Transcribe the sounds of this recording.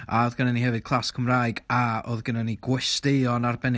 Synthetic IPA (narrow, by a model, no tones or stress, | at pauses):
aoðɡənanihɛvɨd̥̚kʰlˠaskʰəmraːjɡao̰ðɡənaniɡwɪstɪɔnarbɛn